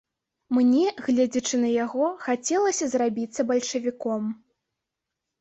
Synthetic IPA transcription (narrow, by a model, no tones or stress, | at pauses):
mnʲɛɣlʲɛd͡zʲɐt͡ʂɨnɐjaɣɔxat͡sʲɛlˠɐsʲɐzrabʲit̪sːɐbɐlʲʂɐvʲikɔm